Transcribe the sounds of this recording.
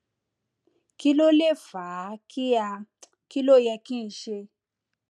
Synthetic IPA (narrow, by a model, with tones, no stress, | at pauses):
ki˦lɔ˦lɛ˦v̥a˨ki˦ja˧ | ki˦lɔ˦˨ja˧ki˦˨ʃe˦